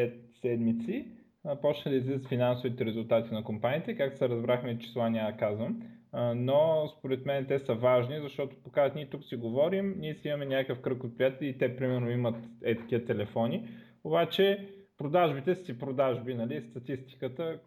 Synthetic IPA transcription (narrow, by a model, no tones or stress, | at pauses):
ɛt̪sɛd̪mit̪si | pɔt͡ʃnəd̪ɐizlizət̪finansʊvit̪ɛɾɛzulˠt̪at̪inɐkompanʲiːt̪ɛkak̚t̪o̥sɛɾɐzbɾaxmɛit͡ʃi̥slˠanʲad̪ɐkazvəm | nospoɾɛt̪mɛnɛt̪ɛsəvaʒnizɐʃt̪ɔt̪o̥pokanʲiɛt̪uksiɡovɔɾimniɛsimɐmɛnʲakəkəfkɾɤkot̪̚pɾijat̪ɛlʲjʲɛit̪ɛpɾimɛɾnoimət̪ɛt̪kʲiət̪ɛlɛfɔni | obat͡ʃɛ | pɾod̪aʒbit̪ɛssipɾod̪aʒbinɐlist̪ɐt̪ist̪i̥kət̪ə